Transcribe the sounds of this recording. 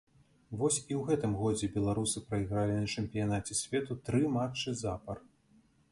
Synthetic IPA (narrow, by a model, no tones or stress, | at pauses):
vɔsʲiwɣɛt̪ɨmɣɔd͡zʲɛbʲɛlˠaɾusɨpɾɐiɣɾalʲinɐt͡ʂɛmʲpʲijanat͡sʲɛsʲvʲɛt̪ut̪ɾɨmat͡ʂɨzapɐr